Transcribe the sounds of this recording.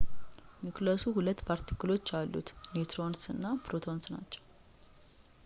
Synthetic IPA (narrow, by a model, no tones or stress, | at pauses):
miklosuhulət̪ːbʰaɾt̪ʰi̥kɨlo̞t͡ʃːalːṵt̪nit̪ʰɾo̞nsɨnːapʰɾo̞t̪ʰo̞nsna̰t͡ʃːɛ̥w